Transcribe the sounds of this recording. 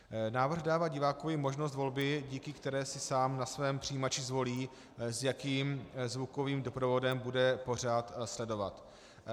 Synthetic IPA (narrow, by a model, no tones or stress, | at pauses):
naːvr̩ɣdaːvaːɟɪvaːkovjɪmo̞ʒnos̬t̪vo̞lbɪɟiːkɪkt̪ɛɾɛːsɪsaːmnasvɛːmpr̝̥ijimat͡ʃɪzvo̞liː | zjakiːmzvuko̞viːmdo̞pɾo̞vo̞dɛmbudɛpo̞r̝aːt̪slɛdo̞va̰t̪